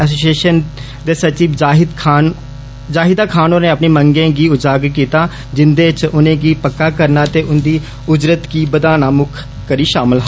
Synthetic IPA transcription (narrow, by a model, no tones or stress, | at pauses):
ɛs̬oːsieːʃən | d̪eːsət͡ʃiːbd͡ʒaːɦɪd̪kʰaːn | d͡ʒaːɦɪd̪aːkʰaːnoːnẽːəpneːməŋɡẽːɡiːʊd͡ʒaːɡkiːt̪aː | d͡ʒɪnd̪eːt͡ʃʊnẽːɡiːpəkːaːkəɾnaːt̪eːʊnd̪iː | ʊd͡ʒɾət̪kiːbəd̪aːnaːmʊkʰ | kəɾiːʃaːmɪlɦa